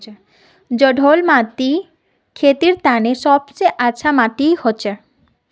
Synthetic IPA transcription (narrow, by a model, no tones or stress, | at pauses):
e | d͡ʑɔɖʱolmat̪i | kʰet̪iɾt̪aneʃɔbt͡ɕejʔat͡ɕʰamaʈ̪ijhoːt͡ɕʰe